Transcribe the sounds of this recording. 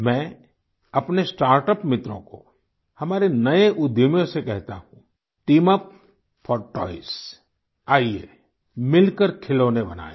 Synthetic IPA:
mɛ̃ː | ɐpnesʈaːɾʈəpmɪt̪ɾõko̰ | hɐmaːɾenɐeʔʊd̪jomjõsekɛɦt̪aɦũ | ʈiːməp | fʰɔːɾʈɔ̰ːɪs | aːiḛ | mɪlkəɾkʰɪloːnebɐna̰ːḛ

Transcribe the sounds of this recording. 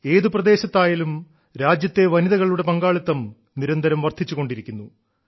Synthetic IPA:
e̞ːðuprɐd̪e̞ːɕɐt̪ːaːjɐlum | ɾaːd͡ʑjɐt̪ːe̞ʋɐniðɐɣɐɭuɽe̞pɐŋɡaːɭit̪ːɐm | niɾɐnd̪ʱɐɾɐmʋɐrt̪ʰit͡ɕːuɣo̞ɳɖiɾikʲːunːu

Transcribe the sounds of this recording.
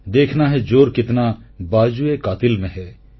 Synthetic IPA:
d̪eːkʰnaɦɛd͡ʒoːɾkɪt̪nabaːd͡ʒuekaːt̪ɪlmẽɦɛː

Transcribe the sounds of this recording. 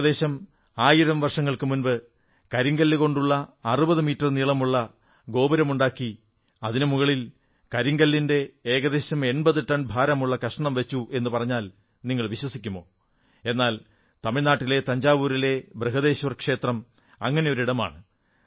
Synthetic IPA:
ðe̞ːɕɐm | aːjiɾɐmʋɐrʂɐŋːɐɭkɨmunbɨ | kɐɾiŋɡɐlːɨɣo̞ɳɖuɭːɐːrubɐðɨmiːtːɐrniːɭɐmuɭːɐ | ɡo̞ːbɐɾɐmuɳɖaːkːi | ɐðinɨmuɣɐɭil | kɐɾiŋɡɐlːinde̞eːɣɐðe̞ːɕɐme̞nbɐðɨt̪ɐnbʱaːɾɐmuɭːɐkɐʂʈɐɳɐmʋet͡ɕːuʔe̞nːɨpɐrɐɲːaːl | niŋːɐɭʋiɕwɐsikʲːumo̞̰ː | e̞nːaːl | t̪ɐmiɭnaːʈːile̞t̪ɐɲd͡ʑaːʋuːɾile̞brɨɦɐðe̞ːɕɐʋɐrkʂe̞ːt̪rɐm | ɐŋːɐne̞jo̞ɾiɽɐma̰ːɳɨ

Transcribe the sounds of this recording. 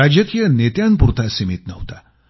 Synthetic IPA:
ad͡ʑəkijənet̪jampuɾt̪ʰasimit̪nəʋt̪a

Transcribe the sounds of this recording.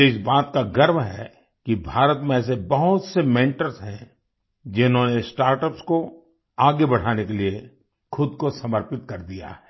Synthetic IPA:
ɪsbaːt̪kaɡɐɾmɦɛ̰ː | kibʱaːɾət̪mẽɛːs̬ebɐɦʊt̪semɛ̃ːɳʈəɾzɦɛ̃ | d͡ʒɪnɦõːnesʈaːɾʈəpsko | aːɡebɐɽ̤aːnekelie | xʰʊd̪kosɐməɾpɪt̪kɐɾd̪ija̰ɦɛː

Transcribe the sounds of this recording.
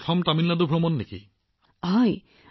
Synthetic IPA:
tʰɔmtaminladubʱɹɔmɔnːekḭ | aj

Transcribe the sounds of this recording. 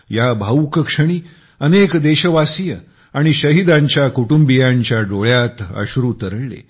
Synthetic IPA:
jabʱaukəkʂəɽ̃iː | ənekd̪eɕəʋasijə | aɽ̃iɕəɦid̪ãɲt͡ɕjakuʈumbijãɲt͡ɕjaɖoɭjat̪ə̰ɕɾut̪əɾəlḛ

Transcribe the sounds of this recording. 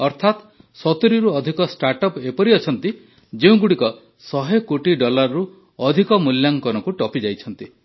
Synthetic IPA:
ɔɾt̪ʰat̪ | sɔt̪uɾiɾuɔd̪ʱikɔsʈaɾʈɔpepɔɾiɔt͡ʃʰɔnt̪i | d͡ʒeũɡuɽikɔ | sɔɦekoʈiɖɔlaɾɔɾu | ɔd̪ʱikɔmuljaŋkɔnɔkuʈɔpid͡ʒajt͡ʃʰɔnt̪i

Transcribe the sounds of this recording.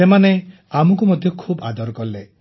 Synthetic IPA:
emane | amukumɔd̪ʱjɔkʰuba̰d̪ɔɾɔkɔɾle

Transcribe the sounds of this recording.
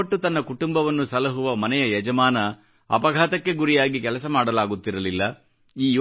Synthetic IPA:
ɐʈːut̪ɐnːɐkuʈumbɐʋɐnːusɐlɐɦuʋɐmɐnɛjɐjɛd͡ʒɐmaːnɐ | ɐ̰pɐɡʱaːt̪ɐkːe̞ɡuɾijaːɡikɛlɐsɐmaːɽɐlaːɡut̪ːiɾɐlilːɐ | iːj

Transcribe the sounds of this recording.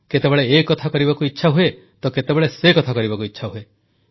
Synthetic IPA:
ket̪ebeɭeːkɔt̪ʰakɔɾibakuitːʃʰaɦue | t̪oket̪ebeɭesekɔt̪ʰakɔɾibakuitːʃʰaɦue

